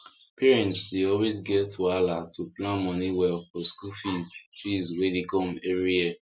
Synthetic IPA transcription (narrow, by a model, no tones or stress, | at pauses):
piɹĩntsdeɔlwezɡɛtːualatʰuplãnmɔ̃niwɛlfɔskufizfizwedekɔ̃mɛɹia